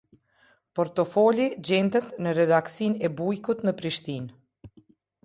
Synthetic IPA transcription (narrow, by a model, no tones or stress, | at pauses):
pɔɾt̪ɔfɔlid͡ʑɛnd̪ət̪nəɾɛd̪aksinɛbujkut̪nəpɾiʃt̪in